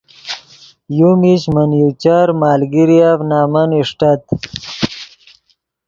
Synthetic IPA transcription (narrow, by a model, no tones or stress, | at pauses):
jumiɕmənjut͡ɕaɾmaːlɡiɾijavnaːmɐniʂʈat̪